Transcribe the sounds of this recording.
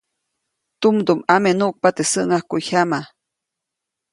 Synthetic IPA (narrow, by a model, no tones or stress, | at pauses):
t̪umd̪umamenuʔk̚pat̪esəʔŋahkuʔhama